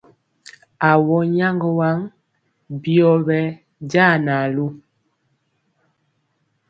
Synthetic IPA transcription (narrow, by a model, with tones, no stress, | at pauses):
a˨wɔ˦ɲa˦ŋɡɔ˦wa˦ŋ | bi˦ɔ˦bɛ˦ | ɟa˦˨na˨lu˦